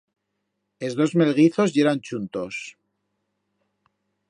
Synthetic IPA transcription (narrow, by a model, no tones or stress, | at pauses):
e̞zðo̞zme̞lɣiθo̞zje̞ɾant͡ʃunt̪o̞s